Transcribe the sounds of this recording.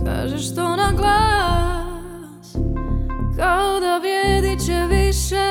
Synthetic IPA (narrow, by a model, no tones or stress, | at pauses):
ka̰ːʒɛʃt̪onaɡlˠa | kaod̪aʋjɛd̪it͡ɕɛʋiʃɛ